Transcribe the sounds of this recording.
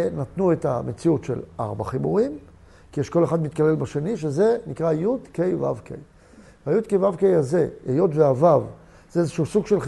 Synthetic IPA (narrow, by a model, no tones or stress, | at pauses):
nat̪nue̞t̪a̰me̞t͡siutʃḛla̰ʁba̰χibuʁim | kijeʃko̞le̞χad̪mit̪̚kale̞lbaʃe̞niʃeze̞nikʁajud̪kejva̰vkḛj | veajud̪kejvavkejaze̞ejo̞t̪veavav | z̥eezeʃuusuɡʃe̞lχ